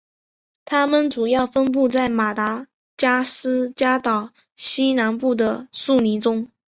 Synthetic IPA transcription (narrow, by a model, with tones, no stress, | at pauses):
t̪ʰa˥mə˨nʈ͡ʂu˨˩jɑ˥˩ʊfə˥np̬u˥˧t͡sa˥˩ɪma˨˩t̪a˧˥ | t͡ɕja˥sɹ̩˥t͡ɕja˥t̪ɑ˨˩ʊ | ɕi˥na˧˥npu˥˩d̪ə˩su˥˩ni˧˥ʈ͡ʂʊ˥ŋ